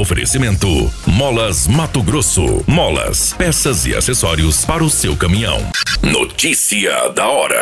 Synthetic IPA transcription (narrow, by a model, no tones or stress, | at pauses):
ofeɾḛsimẽnt̪ʊmɔlɐzmat̪ʊɡɾosʊ̰mɔlɐ̰spɛsɐzḭa̰sesɔɾiʊspaɾɐʊsewkɐmĩɲɐ̰̃w̃no̰t͡ʃisiɐ̰d̪ɐɔɾɐ̰